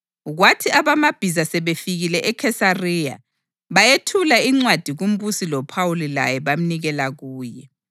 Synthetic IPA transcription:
ɣwatʰiaβamab̥ʱizasɛβefiɣilɛʔɛkʰɛsarija̰ | βajetʰulaiŋ͡ǀwad̥ʱiɣum̩busilɔpʰawulila̰jɛβam̩niɣɛlaɣuːjɛ

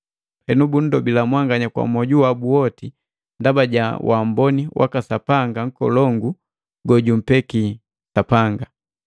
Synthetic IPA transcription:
hɛnubun̩dɔbilamwaŋɡaɲakwa̰mɔɟuwabuɔti | ndabaɟawʔambɔniwʔa̰kasapaŋɡaŋ̩kɔ̰lɔŋɡu | ɡɔɟum̩pɛki | sapaŋɡa

